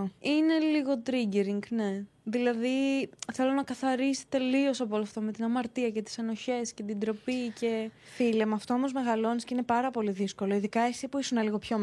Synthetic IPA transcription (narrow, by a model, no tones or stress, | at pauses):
ine̞liɣo̞t̪ɾiɟeɾiŋɡne̞ðilɐðiθe̞lo̞nɐkɐθɐɾist̪i̥t̪e̞lio̞sɐpoloɐft̪ome̞t̪inɐmɐɾt̪iɐce̞t̪i̥sɐno̞çe̞sce̞t̪id̪ɾo̞pice̞filemɐɐft̪oomo̞zme̞ɣɐlo̞nisceinepɐɾɐpo̞liðisko̞loiðikɐesipuisunɐliɣo̞pço